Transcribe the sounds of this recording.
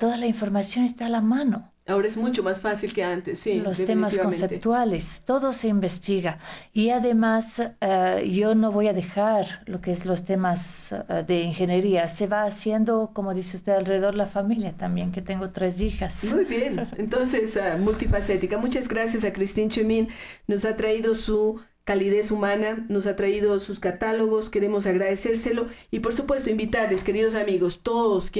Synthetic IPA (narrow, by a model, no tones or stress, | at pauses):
t̪o̞ðalaiɱfo̞ɾmasjo̞nest̪aːlamano̞ | aoɾaezmut͡ʃomasfasilkeant̪esːiloset̪emmaskonsept̪wale̞st̪o̞ðo̞se̞imbe̞st̪iɣaiaðe̞mas | ʝo̞no̞βo̞jaðe̞xaɾlokeezlo̞st̪emasd̪e̞iŋxe̞neɾiase̞βaːsje̞nd̪o̞ko̞moðiseust̪eðalre̞ðeðo̞ɾðelafamiljat̪ambje̞ŋke̞t̪e̞ŋɡo̞t̪ɾe̞s̬ixasmujβjenent̪onsesamult̪ifaset̪ikamut͡ʃazɣɾasjas̬akɾist̪int͡ʃemĩnː | o̞sat̪ɾaiðo̞su | kaliðe̞sumãnanos̬at̪ɾaiðosuskat̪alo̞ɣo̞ske̞ɾe̞mo̞s̬aɣɾaðese̞ɾse̞lo̞ipo̞ɾsupwe̞st̪oĩmbit̪aɾleske̞ɾiðos̬amiɣost̪oðosk